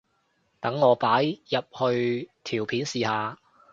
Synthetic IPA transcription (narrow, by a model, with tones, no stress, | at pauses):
t̪ɐ˨˥ŋːɔː˨˧paː˨˥jjɐ˨p̚hɵ˧ɥt̪ʰiː˨˩wpʰiː˨˥nsiː˨˧haː˨˧